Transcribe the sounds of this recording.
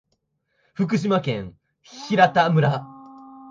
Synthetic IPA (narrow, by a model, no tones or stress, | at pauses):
ɸɯ̟k̬ɯ̟ɕ̬imakẽŋ | çiɾat̪amɯ̟ɾa